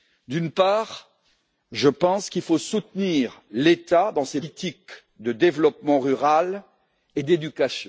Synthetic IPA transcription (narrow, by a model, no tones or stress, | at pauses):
d̪ynpaːʁ | ʒəpɑ̃skilfosut̪niːʁlet̪ad̪ɑ̃set̪ik | d̪əd̪evlɔpmɑ̃ʁyʁal | ed̪ed̪ykasjɔ̃